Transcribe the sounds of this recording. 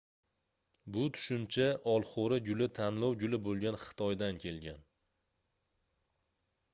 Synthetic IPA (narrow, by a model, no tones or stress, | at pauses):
bʊt̪ʰʊ̥ʃʊmt͡ʃʰaʔɒlˠχoɾaɡʲʊlɪt̪ʰanlɒwɡʲʊlɪbolˠɡʲanχɨ̥t̪ʰɒjd̪ankʲʰe̞lɡʲan